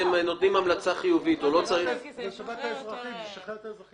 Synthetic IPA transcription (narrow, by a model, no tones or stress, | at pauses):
emno̞t̪nimamlat͡saχijuvit̪olo̞t͡saʁi